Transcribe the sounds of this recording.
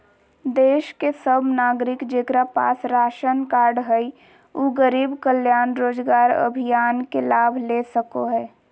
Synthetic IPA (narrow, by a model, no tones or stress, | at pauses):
d̪eːʃkesəbnaːɡɾɪkd͡ʒeːkɾapa̰ːsɾaːʃənkaːɾɖɦəi | oːɡəɾiːbkəljaːnɾoːd͡ʒɡaːɾə̰bʱijaːnkelaːbʱleːsəkoɦɛː